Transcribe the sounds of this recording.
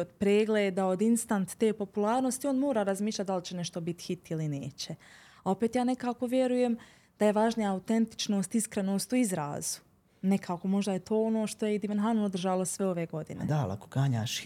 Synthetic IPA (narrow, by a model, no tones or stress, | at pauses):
od̪pɾeːɡleːd̪ao̞d̪inst̪ant̪ːe̞ːpo̞pulˠaːɾno̞st̪io̞ːnmoːɾaːɾazmiːʃlʲʎat̪d̪alit͡ɕene̞ʃt̪o̞bit̪i̥hit̪ilineːt͡ɕe | ao̞peːt̪jaːne̞kaːko̞ʋje̞ɾuje̞m | d̪̥aje̞ʋaʒnijaːut̪ent̪i̥t͡ʃno̞ːst̪iskɾe̞noːst̪uizɾa̰ːz̥u̥ | ne̞kʰaːko̞mo̞ʒd̪ajet̪ʰo̞ːono̞ːʃt̪o̞jeid̪iʋenɦanuod̪r̩ʒaːlˠo̞sʋe̞o̞ʋeːɡo̞d̪ḭnḛd̪aa̰la̰koɡaːɲa̰ːʃ